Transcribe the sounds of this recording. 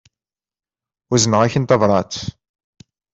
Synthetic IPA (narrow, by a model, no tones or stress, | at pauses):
uzənəʁaçənt̪ɑvɾˤɑt͡s̪